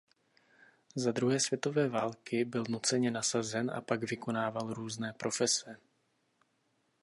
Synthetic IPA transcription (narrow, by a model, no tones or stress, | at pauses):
zad̪ɾuɦɛːsv̥jɛt̪o̞vɛːvaːlkɪbɪlnut͡sɛɲɛnasazɛnʔa̰paɡvɪko̞naːvalɾuːznɛːpɾʔo̞fɛsɛ